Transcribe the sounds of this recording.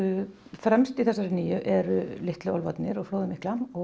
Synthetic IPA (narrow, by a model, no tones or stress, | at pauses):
fɾɛmst̪iθɛsːaɾɪniːjʏʔɛɾʏlɪht̪lʏɔlvat̪nɪɾɔɣfloːwðɪmɪhklamɔ